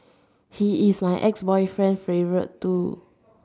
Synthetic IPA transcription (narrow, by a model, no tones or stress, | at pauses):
hiismajʔɛksbɔjfɹɛ̃nfɹevəɹə̰ttːu